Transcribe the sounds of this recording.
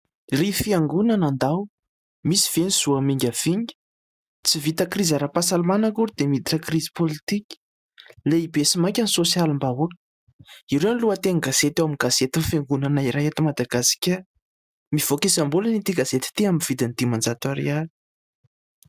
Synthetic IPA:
rifiaŋɡunanand̪aw | misi̥v̥eniz̥uamiŋɡʲav̥iŋɡə̥ | t͡sivit̪akrizaɾapasalumanakuɾd̪̥emid̪iʈ͡ʂakrizi̥polit̪ikʲə̥ | leibesimakʲanisosjalimbaɦuə̥ | iɾewniluət̪eŋɡazet̪ewamiɡazet̪infeŋɡunanaiɾajat̪imad̪aɡasi̥kʲə | miv̥okesambulənit̪iɡazet̪i̥t̪iaminv̥id̪inid̪̥imand͡zat̪waɾḛal

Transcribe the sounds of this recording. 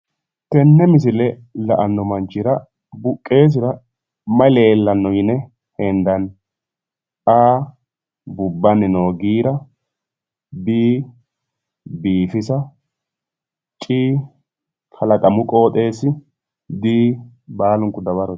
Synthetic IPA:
t̪ɛnːɛmɪs̬ɪlɛ | lɐʔɐnːɔmɐnt͡ʃːɪɾɐ | bʊkʼːe̞ːs̬ɪɾɐ | mɐle̞ːlːɐnːɔjɪnɛ | hɛnd̪ɐn | aː | bʊbːɐnɪnoːɡiːɾɐ | biː | biːfɪsɐ | t͡ʃʼiː | kʰɐlɐkʼɐmʊkʼo̞ːt̪ʼe̞ːsːɪ | d̪iː | baːlʊŋkʊd̪ɐbɐɾɔ

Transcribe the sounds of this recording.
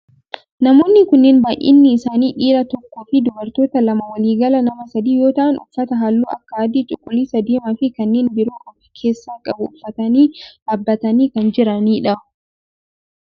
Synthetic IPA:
nɐmo̞ːnːɪkʊnːeːnbaːʔɪ̰nːɪɪsaːniːᶑiːɾɐt̪ɔkːoːfɪd̪ʊbɐɾt̪o̞ːt̪ɐlɐmɐwɐliːɡɐlɐnɐmɐsɐd̪iːjo̞ːt̪ɐʔɐnʔʊ̰fːɐt̪ɐɦɐlːṵːʔɐkːɐːd̪iːt͡ʃʼʊkʼːʊliːsɐd̪iːmɐfɪkɐnːeːnbɪɾoːkɐbɐkʰeːsːaːkʼɐbʊʊfːɐt̪ɐniːʔɐbːɐt̪ɐniːkɐnd͡ʒɪɾɐniːᶑɐ

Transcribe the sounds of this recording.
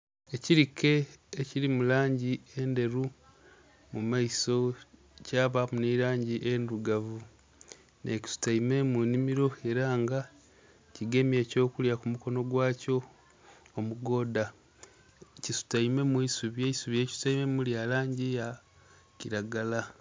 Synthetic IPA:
e̞ciɾikʰe̞ːciɾimulaːɲɟie̞nde̞ɾu | mumaiso̞ | caːβamuniɾaːɲɟiʔenduɡavu | ne̞ci̥su̥taime̞munimiɾo̞e̞ɾaːŋɡa | ciɡe̞me̞ːco̞ːkuljakumuko̞no̞ɡwaːco̞ː | muɡo̞ːda | cisu̥taime̞mwuisuβjeisuβje̞ci̥su̥taime̞muljalaːɲɟija | ciɾaɡala

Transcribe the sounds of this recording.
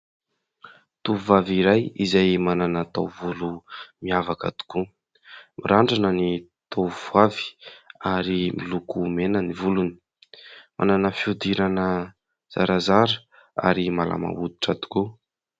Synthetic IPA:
t̪uuvaviɾajizajmananat̪awvulumiavaka̰d̪u̥ku | miɾaɳɖ͡ʐanəni | t̪ʰuvavi̥aɾimilukumenənivuluni̥ | ma̰nanəfiud̪iɾanə | z̥a̰ɾazaɾə | a̰ɾimala̰ma̰ud̪i̥ʈ͡ʂad̪u̥ku

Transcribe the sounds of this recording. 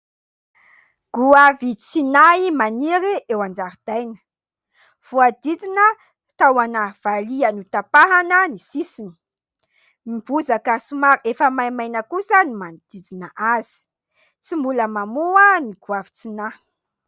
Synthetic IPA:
ɡ̥uavit͡sinaimaniɾiʔewand͡ʒaɾid̪̥ajnə̥ | v̥uad̪id͡zinə | t̪awanəv̥alianut̪apaɦanənisisini̥ | mibuzakəsumaɾefəmajmajnəkusənimand̪̥id͡zinəʔaz̥i̥ | t͡simbuləmamuaniɡ̥uavit͡sina

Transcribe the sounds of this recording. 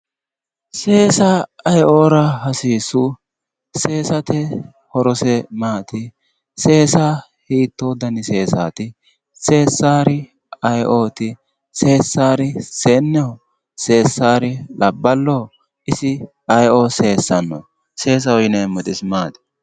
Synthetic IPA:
se̞ːsaɐjʔoːɾɐhɐsiːsʊ | se̞ːsɐt̪ɛ | hɔɾɔsɛmaːt̪ɪ | se̞ːsaː | hiːt̪ːoːd̪ɐnɪse̞ːsa̰ːt̪ɪ | se̞ːsːaːɾɪ | ɐjʔoːt̪ɪ | se̞ːsːaːɾɪseːnːɛɔ | se̞ːsːaːɾɪlʔɐbːɐlːoː | ɪsɪ | ɐjʔose̞ːsːɐnːo̰ | se̞ːs̬ɐɔjɪnɛjmɔt̪ʼɪsmaːd̪ɛ̥

